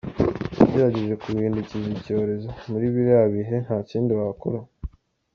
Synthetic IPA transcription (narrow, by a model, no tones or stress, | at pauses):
ɟeɾaɟeʒe̞kuɡiːndicizibco̞ːɾe̞zomuɾiːβiɾaβiɦe̞n̥haːciːndiβaakoɾa